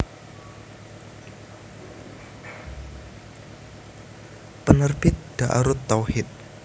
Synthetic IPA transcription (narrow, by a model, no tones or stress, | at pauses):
pənərbɪt̪̚d̪̥aʔa̰ɾʊt̪ːawhɪt̪̚